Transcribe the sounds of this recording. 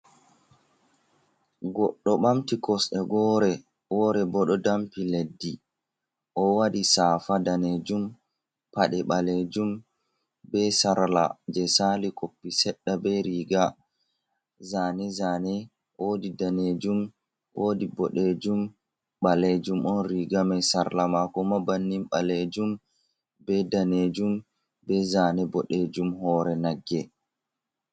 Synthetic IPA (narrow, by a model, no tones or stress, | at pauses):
ɡɔɗːɔɓamtikɔsɛɡɔːɾɛ | wɔɾɛbɔɗɔdampiledːi | ʔɔwadisaːfadaned͡ʒum | paɗɛɓaled͡ʒum | bɛsaɾla̰d͡ʒɛsalikʰopːisɛɗːabɛɾiːɡa | zaːnɛzanɛ | wodidaned͡ʒum | ʔoːdibɔɗed͡ʒum | ɓaled͡ʒumɔnɾiɡamɛsaɾlamakɔmabanːimɓaled͡ʒum | bɛdaned͡ʒum | bɛzanɛbɔɗed͡ʒumhɔːɾɛnaɡːɛ